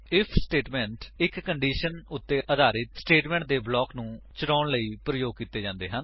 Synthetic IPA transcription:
ɪpʰsʈeːʈmɛ̃ːɳʈɪkːəɳɖiːʃənʊt̪ːeːʔəd̪aːɾɪt̪sʈeːʈmɛ̃ːɳʈ̚d̪eːblɔːknũːt͡ʃəʈaːɳləiːpɾəjoːɡ̚kiːt̪ːeːd͡ʒãːnd̪ḛːɦən

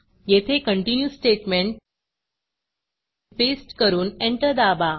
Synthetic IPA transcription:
jet̪ʰekəɳʈinjusʈeʈmeɳʈ | fesʈkəɾuːneɳʈəɾd̪aba

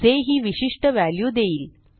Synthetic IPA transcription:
seːɦiʋiʂiʂʈɐʋaːljud̪eːjil

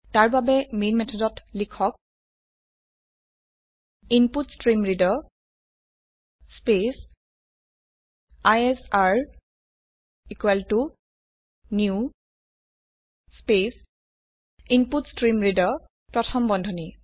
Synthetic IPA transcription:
taɹbabɛmenmɛtʰɔdɔtlikʰɔk̚ | imputstɹimɹidɔ | spes | ajɛsaɹ | ikwɛltu | niu | spes | imputstɹimɹidɔ | pɹɔtʰɔmbɔndʱɔni

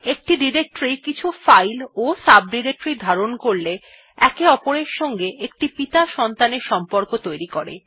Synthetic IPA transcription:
ek̚ʈiɖiɾek̚ʈɾikit͡ɕʰufajlosab̚ɖiɾek̚ʈɾid̪ʱaɾonkoɾle | ɛkeɔpoɾeɾʃɔŋɡeʔek̚ʈipit̪aʃɔnt̪aneɾʃɔmpoɾkot̪ojɾikoɾḛ

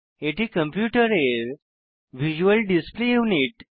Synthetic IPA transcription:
eʈ̪ʰikəmpjuʈəɾeɾ | ʋid͡ʑuəlɖisplejuniʈ

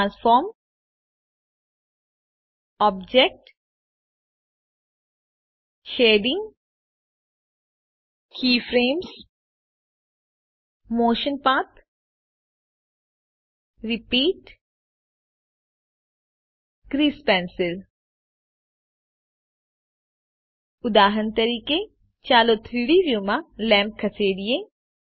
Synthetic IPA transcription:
ãnsfɔːɾm | ɔːb̚d͡ʒek̚ʈ | ʃeːɖɪ̃ŋɡ | kʰiːfɾeːms | moːʃə̃npaːt̪ | ɾipiːʈ | kɾiːspɛ̃ːnsɪl | ʊd̪aːɦənt̪ɐɾiːke | t͡ʃaːlot̪ʰɾiɽiːʋjuːmãlɛ̃ːmp̚kʰɐseːɖ̪ije

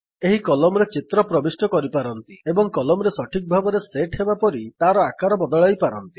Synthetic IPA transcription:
eɦikɔlɔmɔɾet͡ʃit̪ɾɔpɾɔbisʈɔkɔɾipaɾɔnt̪iebɔŋkɔlɔmɔɾesɔʈʰik̚bʱabɔɾeseʈʰebapɔɾit̪aɾɔakaɾɔbɔd̪ɔɭajpaɾɔnt̪i̥

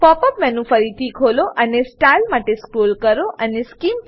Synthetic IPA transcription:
pɔpəpmɛnũfəɾit̪ʰikʰoloʔənesʈailmaʈeskɾolkəɾoʔəneskim

